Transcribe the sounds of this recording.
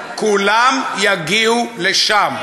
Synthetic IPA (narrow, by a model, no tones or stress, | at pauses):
kulamjaɡiuleʃam